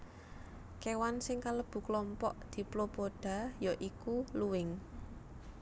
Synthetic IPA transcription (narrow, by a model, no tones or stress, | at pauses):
kewansɪŋkaləb̥ṳklɔmpɔ̰ʔd̪̥i̤plopoɖ̥ä̤jɔʔikuluwɪŋ